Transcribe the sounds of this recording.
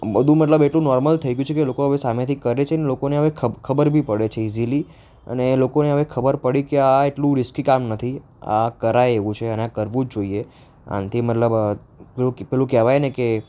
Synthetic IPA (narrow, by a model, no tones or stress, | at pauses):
bəd̪ʱũmət̪ləbeʈlũnɔɾməlt̪ʰəiɡjũt͡ʃʰekelokoɦəʋesamẽt̪ʰikəɾet͡ʃʰenelokoneɦəʋekʰəkʰəbəɾbʱipəɽet͡ʃʰeizili | ə̰nelokoneɦəʋekʰəbəɾpəɽikeaeʈlũɾɪskikamnət̪ʰi | a̰kəɾajeʋũt͡ʃʰeəneakəɾʋũd͡ʒd͡ʒoie | a̰nt̪ʰimətləb | elũpɛlũkɛʋajneke